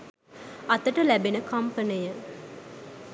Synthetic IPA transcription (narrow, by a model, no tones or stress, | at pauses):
ɐt̪əʈəlæbenəkɐmpənijə